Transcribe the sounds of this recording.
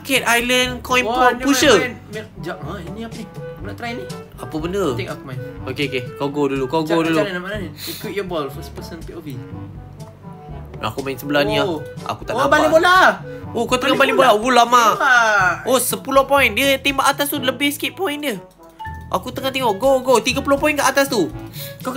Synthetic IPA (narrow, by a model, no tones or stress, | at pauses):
ketʔajlənkɔjĩnpɔjnpuʃən | mɛd͡ʒaʔə̃inĩapəniakunat̪ɾajni | apəbəndət̪ɛkakumajnokeokekawɡodulukawɡoduluanamanankut̚jɔbɔlfəspəsənpiʔovi | a̰kumainsəbəlahnĩaa̰ku̥t̪aʔabalibolaokawt̪əŋabalibolaubulama | osəpulohpɔindiət̪imbaʔat̪ast̪uləbɪhskeʔ̪̚pɔində | ʔakut̪əŋaht̪eŋɔʔɡoɡot̪iɡapulohpɔjinkaʔat̪ast̪uka